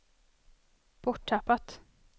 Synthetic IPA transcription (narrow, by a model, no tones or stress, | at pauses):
b̥ɔʈʰːapːat̪